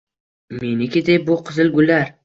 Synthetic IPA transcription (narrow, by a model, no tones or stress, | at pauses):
me̞nɪkʲɪd̪ejbʊqʰɨzɪlˠɡʲʊlːaɾ